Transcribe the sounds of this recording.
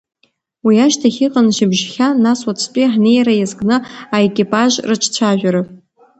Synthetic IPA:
wiaʃtʰaχʲiqʼanʃɪbʒχʲanasʼwat͡sʰpʼiħnejɾajazɡnɨaekʲʼipʼaʒrɨt͡ʃʷʰt͡sʷʰaʒᶣʷaɾɨ

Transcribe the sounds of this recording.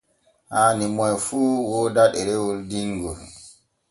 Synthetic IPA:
haːnimɔjfuːwɔdaɗɛɾɛwoldiŋɡɔl

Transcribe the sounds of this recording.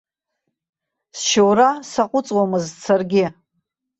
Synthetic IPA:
sʃowɾasaqʷʼʊt͡sʼwamɨzt͡sʰarɡʲɪ

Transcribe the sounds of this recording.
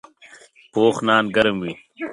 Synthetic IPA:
poːxnaːnɡɐɾɐmwi

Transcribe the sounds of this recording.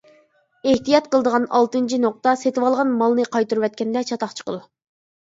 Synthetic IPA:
eht̪ijɑt̪̚qəlˠəd̪əʁɑnɑlˠt̪ɨnt͡ʃʰinoq̚t̪ɑset̪ɪwɑlˠʁɑnmɑlˠnɨqʰɑjt̪uɾuwɛt̪̚kʲɛnd̪ɛt͡ʃʰɑt̪ɑχt͡ʃʰə̥qə̰lˠ

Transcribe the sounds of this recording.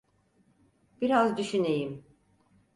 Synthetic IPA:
b̥iɾazd̪yʃynejim

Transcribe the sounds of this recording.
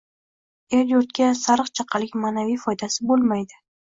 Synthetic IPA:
eɾjoɾt̪̚kʲasaɾɨqt͡ʃʰɑqʰɑlɪkʲmaːnavijfɒjd̪asɪbolˠmajd̪ɪ

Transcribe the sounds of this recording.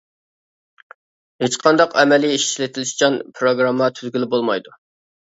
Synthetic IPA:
het͡ʃqʰɑnd̪ɑqʰɛ̰mɛliiʃi̥ʃlɪt̪ʰɪlɪʃt͡ʃʰɑnpʰɾoɡɾɑmːɑt̪ʰyzɡʲilɪbolˠmɑjd̪u

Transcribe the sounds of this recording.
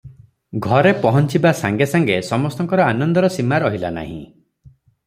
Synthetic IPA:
ɡʱɔɾepɔɦɔnt͡ʃibasaŋɡesaŋɡesɔmɔst̪ɔŋkɔɾɔanɔnd̪ɔɾɔsimaɾɔɦila̰na̰ɦḭ̃

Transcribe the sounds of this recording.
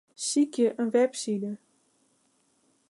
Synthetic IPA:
sikjəʔənʋɛpsidə

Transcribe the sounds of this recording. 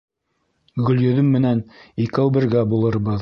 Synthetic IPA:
ɡɵ̆ljɵ̆ðɘmːɘ̆nænikɘwbɘ̆ɾɡæbulˠɤ̆ɾbɤð

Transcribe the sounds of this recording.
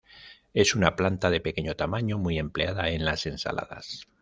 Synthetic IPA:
e̞sunaplant̪aðe̞pe̞ke̞ɲot̪amaɲomuije̞mple̞aðae̞nlase̞nsa̰lʔa̰ða̰s

